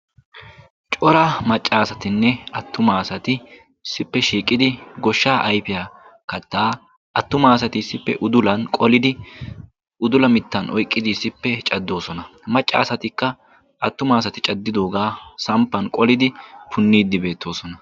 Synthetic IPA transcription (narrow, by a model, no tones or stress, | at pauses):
t͡ʃʼɔɾɐmɐt͡ʃʼːaːsɐt̪ɪnːɛɐt̪ʰːʊmaːsɐt̪ɪ | ɪsːɪpːɛʃiːkʼːɪd̪ɪɡɔʃːaːʔɐjpɪjaː | kɐt̪ːaː | ʔɐt̪ːʊmaːsɐt̪ɪɪsːɪpːɛ̰ʔʊd̪ʊlɐnkʼɔlɪd̪ɪ | ʊd̪ʊlɐmɪt̪ːɐnʔɔjkʼːɪd̪ɪɪsːɪpːɛt͡ʃʼɐd̪ːo̞ːsɔnɐmɐt͡ʃʼːa̰ːsɐt̪ɪkːɐ | ʔɐt̪ːʊmaːsɐt̪ɪt͡ʃʼɐd̪ːɪd̪o̞ːɡaːsɐmpːɐnkʼɔlɪd̪ɪpʰʊnːiːd̪ːɪbe̞ːt̪ːo̞ːsɔnɐ